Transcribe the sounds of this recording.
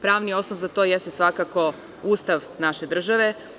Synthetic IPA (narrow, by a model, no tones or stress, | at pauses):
pɾaːʋnio̞snoʋzat̪o̞jest̪esʋakako̞ | uːst̪aʋnaʃe̞d̪r̩ʒaʋe̞